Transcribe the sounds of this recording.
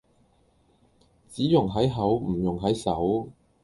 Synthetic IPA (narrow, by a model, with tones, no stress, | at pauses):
t͡siː˨˥jʊ˨˩ŋɦɐ˨˥jɦɐ˨˥wm̩˨˩jʊ˨˩ŋɦɐ˨˥jsɐ˨˥w